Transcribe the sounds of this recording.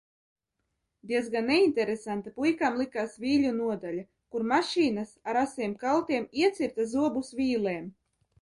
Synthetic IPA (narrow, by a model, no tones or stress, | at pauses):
d̪iɛzɡanːɛint̪ɛɾesant̪apujkamlˠikaːsviːʎʲunuɔd̪alʲa | kuɾmaʃiːnasaɾasiɛmkalˠt̪iɛmiɛt̪sʲiɾt̪azuɔbusvʲiːlˠeːm